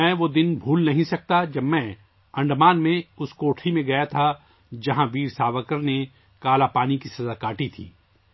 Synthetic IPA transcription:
ɛ̃ːʋod̪ɪnbʱuːlnɐɦĩsɐk̚t̪ad͡ʒɐbmɛ̃ | ɐ̃ɳɖmaːnmẽʊskoːʈʰɾimẽɡɐjat̪ʰa | d͡ʒɐɦãbiːɾsaːʋəkəɾne | kaːlapaːnikisɐzakaːʈit̪ʰḭː

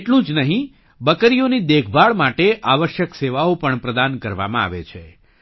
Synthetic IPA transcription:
eʈlũd͡ʒnəɦĩ | bəkəɾijonid̪ekʰbaɭmaʈeʔaʋəʃjəkseʋaopəɳpɾəd̪ankəɾʋa̰mãa̰ʋet͡ʃʰe

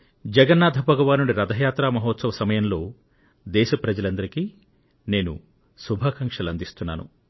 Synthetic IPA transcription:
d͡ʒɛɡɐnːaːd̪ʱɐbʱɐɡɐʋaːnuɽiɾɐd̪ʱɐjaːt̪ɾaːmɐɦɔːt̪sɐʋɐsɐmɐjɐmlo̞ː | d̪ɛːʃɐpɾɐd͡ʒɐlɐnd̪ɐɾikiː | ne̞ːnṵ | subʱaːkɐŋkʂɐlɐnd̪ist̪unːa̰ːnṵ

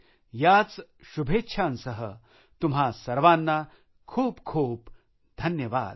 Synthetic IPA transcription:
jat͡s | ɕubʱetːɕʰansəɦə | t̪umɦasɐɾʋanːa | kʰuːpkʰuːp | d̪ʱɐnjəʋa̰ːd̪

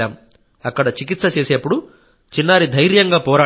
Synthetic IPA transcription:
aːm | ɐkːɐɽɐt͡ʃikit̪sɐt͡ʃe̞ːseːpːuɽu | t͡ʃinːaːɾid̪ʱɐjɾjɐŋɡaːpɔːɾaː

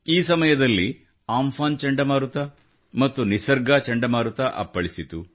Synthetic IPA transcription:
iːsɐmɐjɐd̪ɐlːi | aːmfaːnt͡ʃɐɳɖɐmaːɾut̪ɐ | mɐt̪ːunisɐɾɡaːt͡ʃɐɳɖɐmaːɾut̪ɐʔɐ̰pːɐɭisit̪u

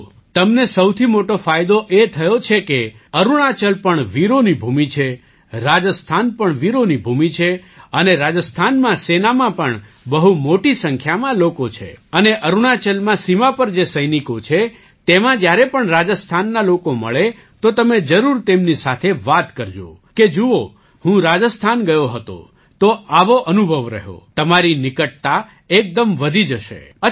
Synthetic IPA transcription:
t̪əmnesəwt̪ʰimoʈofajd̪oʔet̪ʰəjot͡ʃʰekeəɾuɽ̃at͡ʃəlpəɳʋiɾonibʱumit͡ʃʰe | ɾad͡ʒəst̪ʰanpəɳʋiɾonibʱumit͡ʃʰeəneɾad͡ʒəst̪ʰanmãsenamãpəɳ | bəɦumoʈisəŋkʰjamãlokot͡ʃʰḛəneʔəɾuɳat͡ʃəlmãsimapəɾd͡ʒesəjnikot͡ʃʰe | t̪emãd͡ʒjaɾepəɳɾad͡ʒəst̪ʰanːalokomə̰ɭe | t̪ot̪əmed͡ʒəɾuɾt̪emnisat̪ʰeʋat̪kəɾd͡ʒo̰ked͡ʒuo | hũɾad͡ʒəst̪ʰanɡəjoɦət̪o̰ | t̪oaʋoʔənubʱəʋɾə̰ɦo̰t̪əmaɾinɪkəʈ̚t̪a | ek̚d̪əmʋəd̪ʱid͡ʒəʃḛə

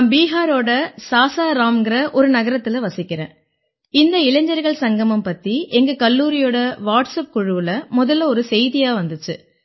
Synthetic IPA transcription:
ambiːɦaːɾoːɽɐsaːsaːɾaːmɡɪɾɐʔɔɾɯnɐɣɐɾɐt̪ːɪlɐʋɐsɪkʲːɪɾḛ̃ː | ɪnd̪ɐɪlɐɲd͡ʒɐɾɣɐɭsɐŋɡɐmɯmpɐt̪ːiʔɛŋɡɐkɐlːuːɾɪjoːɽɐʋaːʈsɐp̚kʊɻɯʋɯlɐmʊðɐlɐɔɾɯsɛjðɪjaːʋɐnd̪ɯt͡ʃːɯ̰

